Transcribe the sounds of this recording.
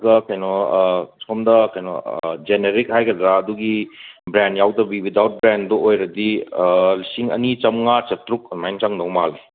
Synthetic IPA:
ɡɐkajnɔskɔmdɐkajnɔ̰d͡ʒeneɾik̚hajkɐdɾaːduɡibɾenjawdɐbiwidawt̚bɾendɔojɾɐdi | siŋɐ̰nit͡ʃɐmŋat͡ʃɐtɾuk̚majnt͡ʃaŋnɐwmali

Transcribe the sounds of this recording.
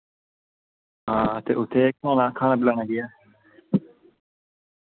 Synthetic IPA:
ɦãːt̪ḛːʔʊt̪ʰːeːkãːnãːkʰaːñaːbɪlaːnaːɡɪjaː

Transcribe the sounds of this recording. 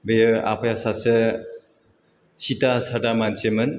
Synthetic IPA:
bejɯa̰pʰajasase | sitasadamansemɯn

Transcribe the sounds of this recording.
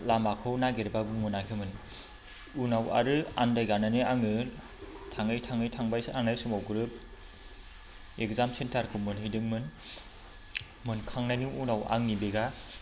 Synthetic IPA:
lamakʰɯwnaɡeɾbaɡuŋɯnakʰɯmɯn | unawa̰ɾɯa̰ndajɡananɯaŋɯ | tʰaŋɯjtʰaŋɯjtʰaŋbajaŋnajsumawɡɯɾɯp̚ | ekzamsentaɾkʰɯmɯnhɯjdɯŋmɯn | mɯnkʰaŋnajnuwunawa̰ŋnibeɡa

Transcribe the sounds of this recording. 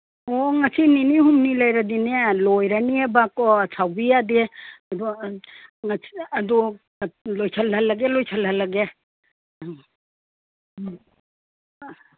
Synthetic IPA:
ɔŋasininihumnilajɾadinelojɾaniebakɔsʰawbijadeɐdu | ŋasɐd̪u | lojsʰalalːaɡelojsʰalɦalːaɡe

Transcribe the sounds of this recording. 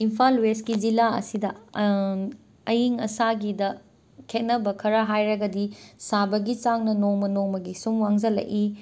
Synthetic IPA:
impʰalweskid͡ʒilaɐ̰sidɐ | ɐjiŋɐ̰saɡidɐ | kʰet̚nɐbɐkʰɐɾɐɦajɾɐɡɐdisabɐɡit͡ʃaŋnɐnoŋmɐnoŋmɐɡisumwaŋzɐlɐ̰ʔi

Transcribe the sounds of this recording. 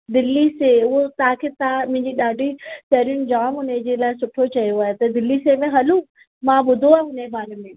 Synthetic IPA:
d̪ɪlːiseʊɦot̪ɐɦãkʰeːt̪amʊ̃ɦɪ̃ɲd͡ʑiɗaːɖʱisɐɦɾiʊnɪ̆d͡ʑaːmʊned͡ʑelaːɪsʊʈʰot͡ɕɐjoaːɦet̪ɐd̪ɪlːisemẽɦɐlu | mãɓʊd̪ʱoaːɦʊnebaːɾemẽː

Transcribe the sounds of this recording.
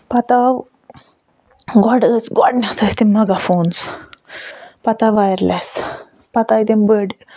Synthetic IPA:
pɐt̪aw | ɡɔɖət͡sɡɔɖnet̪ʰɐst̪imɐɡafoːns | pɐt̪aʋajɾlʔes | pɐt̪aid̪embəɖ

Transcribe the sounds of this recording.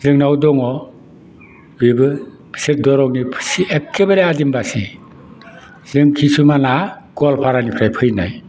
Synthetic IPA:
zɯŋnawdɔŋɔ | bibɯ | pʰset̚dɔɾɔŋnipʰɯ̥siekʰːebaɾiadimbasi | zɯŋkʰisumanaɡ̥ɔlpʰaɾanipʰɾajpʰɯjna̰j

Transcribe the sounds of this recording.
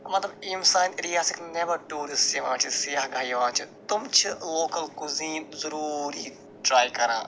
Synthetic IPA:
mɐt̪lɐbimsaːɪ̃nɾijaːsɪkneʋɐɾʈuːɾɪsiʋãːt͡ʃʰisijaːɦɡaːiʋãːt͡ʃʰit̪ʊmt͡ʃʰɪloːkɐlkʊziːmzɐɾuːɾi | ʈɾaːjkɐɾãː

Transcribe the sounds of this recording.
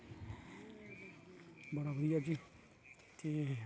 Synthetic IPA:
bəɽabəɾijad͡ʒiː | t̪e

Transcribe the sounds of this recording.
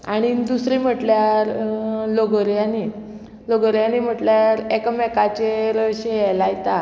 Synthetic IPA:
a̰ɽ̃id̪usɾim̤əʈljaɾloɡəɾjani | loɡəɾjanim̤əʈljaɾekəmɛkat͡ɕeɾəɕeɦjɛlajt̪a

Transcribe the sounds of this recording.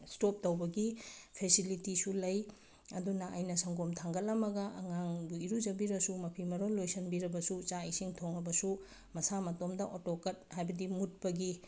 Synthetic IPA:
stop̚tɐwbɐɡipʰesilitisulɐj | ɐdunɐʔɐjnɐsɐŋɡomtʰaŋɡɐlɐmɐɡɐʔɐŋaŋbuiɾud͡ʒɐbiɾɐsumɐpʰimɐɾolojsɐnbiɾɐbɐsut͡ʃaisiŋtʰoŋɐbɐsu | mɐsamɐtomdɐʔotokɐt̚hajbɐdimut̚pɐɡi

